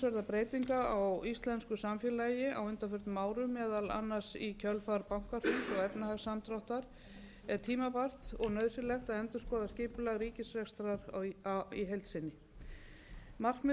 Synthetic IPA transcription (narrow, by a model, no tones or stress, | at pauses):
svœɾðapɾeːjt̪iŋkaawist̪lɛnskʏsamfjɛlaːjɪʔawʏnt̪afʏɾ̥t̪maːwɾʏmɛːðala̰nːasicʰœlfaɾpawŋ̥kar̥t̪ʏsɔɣɛpnahaɣsamt̪ɾɔwht̪aɾ̥ | ɛɾt̪ʰiːmapar̥t̪ɔɣnœðsɪlɛxt̪aðɛnt̪ʏ̥ɾskɔːðascɪːpʏlaɣriːcɪsvɛxst̪ɾaɾ | iɦejlt̪sɪnːɪ | mar̥kmɪ